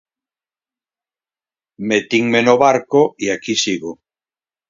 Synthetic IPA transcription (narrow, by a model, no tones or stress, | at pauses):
met̪iŋmenoβaɾkoiakisiɣo